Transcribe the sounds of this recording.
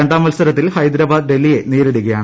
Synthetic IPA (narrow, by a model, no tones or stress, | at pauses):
eɳɖaːmɐlsɐɾɐt̪ːilhɐjd̪ɾɐbaːd̪̚ɖe̞lːije̞niːɾuɽiɣɐja̰ːɳ